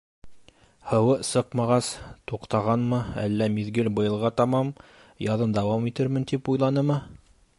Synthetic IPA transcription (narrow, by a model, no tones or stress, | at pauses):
hɤ̆wɤsɤqmɑʁɑst̪uqt̪ɑʁɑnmɤæ̰lːæmiðɡɘlbɤ̆jɤ̆lˠʁɑt̪ɑmɑm | jɑðɤnd̪æwɑmit̪ɘɾmɘ̆nt̪ipujlˠɑnɤmɤ